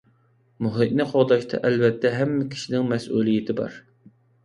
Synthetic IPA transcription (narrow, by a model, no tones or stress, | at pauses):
muɦɨʔnɨqʰoʁd̪ɑʃt̪ʰɑ̰ʔɛlvɛt̪ʰːɛɦɛmːɪkʲʰi̥ʃinɪŋmɛsʔulˠijɪt̪ʰɪbɑ̰ɾ